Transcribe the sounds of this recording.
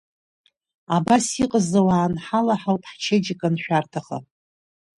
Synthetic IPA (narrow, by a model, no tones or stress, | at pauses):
abasiqʼəzawaːnħalaħawpʰʼħt͡ʃʰed͡ʒɪkʼanʃᶣartʰaχa̰